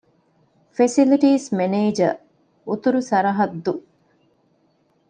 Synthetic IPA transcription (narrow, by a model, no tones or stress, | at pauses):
fesiliʈiːsmeneːd͡ʒɐ̰ | ut̪uɾusɐɾɐɦɐd̪ːu